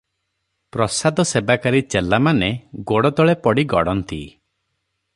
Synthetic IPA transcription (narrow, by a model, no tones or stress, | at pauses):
pɾɔsad̪ɔsebakaɾit͡ʃelamaneɡoɽɔd̪ɔɭepɔɽiɡɔɽɔnt̪ḭ